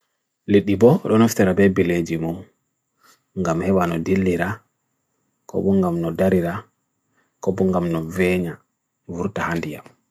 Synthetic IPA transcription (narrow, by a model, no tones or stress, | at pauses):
liɗːibɔɗɔnɔftɛɾabɛbiled͡ʒimum | ŋɡamhɛwanɔdilːiɾa | kɔ̰ɓɔŋɡamnɔdaɾiɾa | kɔbɔŋɡamnɔvɛɲa | vuɾtahandija̰m